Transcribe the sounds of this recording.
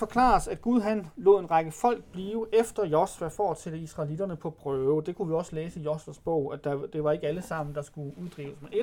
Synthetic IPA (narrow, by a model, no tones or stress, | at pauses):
fɒ̽kʰlɑ̰̈ːsæd̥ɡ̥uð̞ˠɦænlo̝̰ð̰ˠe̝nʁɑ̈ɡ̥əfɒ̽l̰ɡ̥b̥liːʊʔefd̥ɐjɒsʋæfɒ̥ːsed̥əisʁɑ̈lid̥ɐnəpʰɒ̽b̥ʰʁœːʊd̥e̝kʰuʋiɒ̽səleːsəjɒsʋæsb̥ɔʊ̰æd̥ɑd̥e̝ʋɑ̈e̝ɡ̥əæləsɑ̈m̰n̩d̥ɑ̈sɡ̥uuðˠd̥ʁḭːʊəsmene